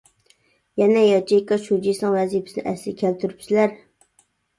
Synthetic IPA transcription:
jɛnɛjɑt͡ʃʰijkɑʃud͡ʒisɨŋwɛzipʰɪ̥snɪ̰ʔɛslɪkʲʰælt̪ʰyɾypsɪlæɾ

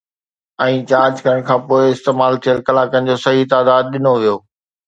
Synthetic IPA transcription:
ɛ̃ːt͡ɕaːɾd͡ʑkɐɾəɽ̃kʰãːpoːɪɪst̪eːmaːlt̪ʰijəlkɐlaːkənɪ̆d͡ʑoːsɐɦit̪aːd̪aːd̪ɗɪnoʋijoː

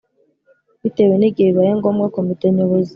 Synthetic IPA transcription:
βiteweneɡeiβajeŋɡomɡakomiteɲoβozi

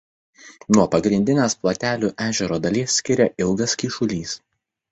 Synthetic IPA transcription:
nuɔpɐɡɾʲɪnʲd̪ʲɪnʲeːsplˠoːt̪ʲæːlʲuːʔæːʒʲɛɾoːd̪ɐlʲiːsːʲkʲɪɾʲɛʔɪlˠɡɐskʲiːʃʊlʲiːs

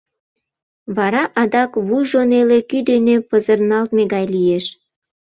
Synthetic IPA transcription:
βɑɾɑʔɑd̪ɑkβujʒonelekyd̪enepəzərnɑlt̪meɡɑjlieʃ

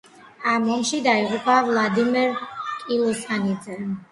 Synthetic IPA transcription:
amɔmʃid̪aiʁupʼavlˠad̪imɛɾkʼilˠɔsanid̪zɛ

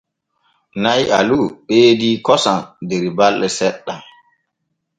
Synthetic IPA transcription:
najʔa̰luɓeːdiːkɔsandeɾibalːɛsɛɗːa

